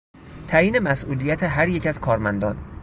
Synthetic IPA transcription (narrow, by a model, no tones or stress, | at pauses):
t̪ʰæjiːne̞mæsʔuːlijæt̪ʰeɦæɾjecæz̥kʰɒːɾmænd̪ɒːn